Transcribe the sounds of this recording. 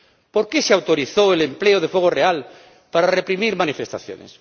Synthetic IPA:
po̞ɾkeseawt̪oɾiθoelempleoð̞efoɣ̞oreal | paɾarepɾimiɾmanifest̪aθjo̰nḛs

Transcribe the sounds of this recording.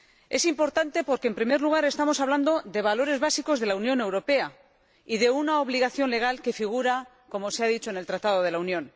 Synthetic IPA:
e̞simpo̞ɾt̪ant̪e̞po̞ɾkeːmpɾimeɾluɣ̞aɾe̞st̪amo̞saβland̪o̞ðe̞β̞alo̞ɾe̞zβasiko̞zðe̞launjõ̞ne̞wɾo̞pe̞a | iðe̞unao̞β̞liɣ̞aθjo̞nle̞ɣ̞alke̞fiɣ̞uɾa | ko̞mo̞seaðit͡ʃo̞ene̞lt̪ɾat̪að̞o̞ðe̞launjõ̞n

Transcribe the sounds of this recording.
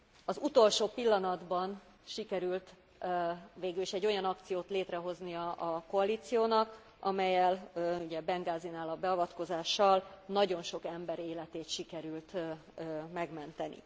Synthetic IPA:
ɒzut̪o̞lʃoːpilːɒnɒd̪bɒn | ʃikɛɾylt̪ | veːɡyliʃɛɟːo̞jɒnɒkt̪sijoːt̪leːt̪rɛɦo̞znijɒʔːko̞ɒliːt̪sijoːnɒk | ɒmɛjːɛluɟɛbɛŋɡaːzinaːlɒbɛɒvɒt̪ko̞zaːʃːɒlnɒɟo̞nʃo̞kɛmbɛɾeːlɛt̪eːt̪ʃikɛɾylt̪ | mɛɡmɛnt̪ɛnḭ

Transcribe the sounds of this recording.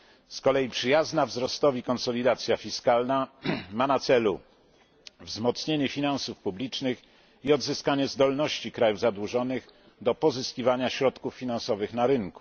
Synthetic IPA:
skɔlɛjipʂɘjaznavzɾɔst̪ɔvʲikɔnsɔlʲid̪at̪sʲjafʲiskalnamanat̪sɛlu | vzmɔt̪sɲeɲɛfʲinansufpublʲit͡ʂnɘx | iɔd̪zɘskaɲɛzd̪ɔlnɔɕt͡ɕikɾajuvzad̪wuʐɔnɘɣ | d̪ɔpɔzɘskʲivaɲaɕɾɔt̪kufːʲinãnsɔvɘxnaɾɘŋku̥

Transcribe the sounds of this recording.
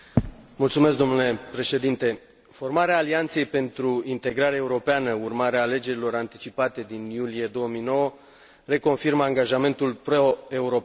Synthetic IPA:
mult̪sumes̬k̚d̪o̞mnule̞pɾe̞ʃe̞d̪int̪e̞ | fo̞rmaɾeaːliant̪se̞jpe̞nt̪ɾuint̪e̞ɡɾaɾeaeuɾo̞peanəurmaɾeaːle̞d͡ʒe̞ɾilo̞ɾant̪i̥t͡ʃipat̪e̞d̪injulie̞d̪o̞wəmijno̞wə | re̞ko̞nfirməaŋɡaʒame̞nt̪ulpɾoe̞uɾo̞p

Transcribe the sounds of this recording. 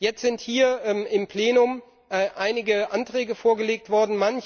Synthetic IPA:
jɛt͡stz̥ɪnthiːɐmɪmpl̥eːnʊm | ʔʔaɪnɪɡəʔantʁ̥ɛːɡəfoːɐɡəleːk̚tv̥ɔɐdn̩manç

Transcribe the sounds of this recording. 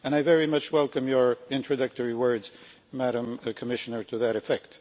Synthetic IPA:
ɨ̃ñaɪvɛɹimʌt͡ʃwɛlˠkɨ̃mjə˞ɪ̃ntɹ̥ɨdʌk̚tɔɹiwɜ˞dz | mæɾə̃mkʰɨmɪʃɨnə˞ɾɨðɨɾɨfɛk̚t

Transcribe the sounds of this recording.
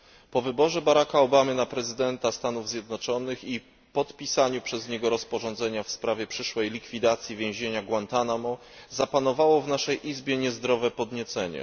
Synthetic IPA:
pɔvɘbɔʐɛbaɾakaɔbamɘnapɾɛzɘd̪ɛnt̪ast̪anuvzʲjɛd̪nɔt͡ʂɔnɘxi | pɔt̪pʲisaɲupʂɛzɲɛɡɔɾɔspɔʐɔnd̪zɛɲafspɾavʲjɛpʂɘʂwɛjlʲikfʲid̪at̪sʲjivʲjẽw̃ʑeɲaɡwant̪anamɔ | zapanɔvawɔvnaʂɛjʔizbʲjɛɲɛzd̪ɾɔvɛpɔd̪ɲɛt̪sɛɲɛ̰

